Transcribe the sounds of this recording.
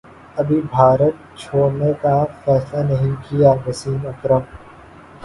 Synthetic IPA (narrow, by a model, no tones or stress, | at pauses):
ɐbʱibʱaːɾət̪̚t͡ʃʰoːnẽkafɛːslanɐɦĩkijaʋɐsiːmɐkɾəm